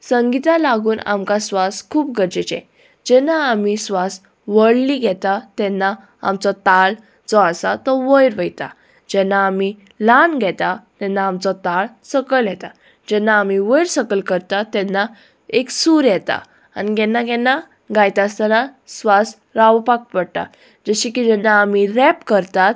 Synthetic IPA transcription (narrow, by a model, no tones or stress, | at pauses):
səŋɡit̪ãlaɡuːna̰mkasʋaskʰuːp̚ɡəɾd͡ʑet͡ɕɛ̰̃ | d͡ʑɛnːaːmisʋas | ʋəɽliɡɛt̪at̪ɛ̃nːa | a̰mt͡sɔt̪al | d͡zɔasa̰t̪ɔʋəjɾʋəjt̪a̰ | d͡ʑɛnːaːmi | lanɡʱɛt̪at̪ɛnːaːmt͡sɔt̪aɭsəkəljɛt̪a | d͡ʑɛnːaːmiʋəjɾsəkəlkəɾt̪at̪ɛnːa | eksuɾjɛt̪a̰ | a̰niɡɛnːaɡɛnːa | ɡajt̪ast̪anasʋas | ɾaʋpak̚pəɽt̪a̰ | d͡zəɕikid͡ʑɛnːaːmiɾɛpkəɾt̪at̪